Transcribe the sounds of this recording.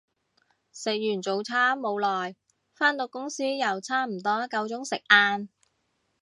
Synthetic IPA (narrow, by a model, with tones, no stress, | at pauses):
sɪ˨k̚jyː˨˩nt͡so˨˧wt͡sʰaː˥mo˨˧wlɔː˨j | faː˥nt̪o˧wkʊ˥ŋsiː˥jɐ˨˩wt͡sʰaː˥m̩˨˩t̪ɔː˥kɐ˧wt͡sʊ˥ŋsɪ˨k̚ʔaː˧n